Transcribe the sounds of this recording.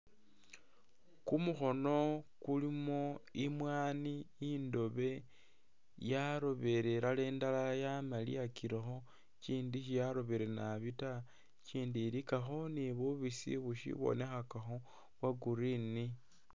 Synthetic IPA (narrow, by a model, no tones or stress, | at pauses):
kumuxo̞no̞kulimo̞imwaːniːndo̞βe̞ | jaɾo̞βe̞ɾeɾale̞ːndalajamalḭakiɾexo̞ | t͡ʃiːndiʃijaɾo̞βeɾenaβita | t͡ʃiːndiɾikaxo̞niβuβisḭβuʃḭβo̰ne̞xakaxo̞ | βwaɡuɾini